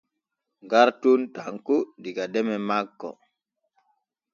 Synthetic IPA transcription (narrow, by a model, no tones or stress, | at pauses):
ŋɡaɾtuntaŋkudiɡadɛmɛmakːɔ̰